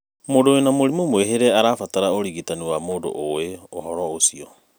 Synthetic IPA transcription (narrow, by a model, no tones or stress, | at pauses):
modoenamoɾimomoeɦeɾeaɾafataɾaoɾiɡitanuamodo̰ʔoeoɦɔɾɔosio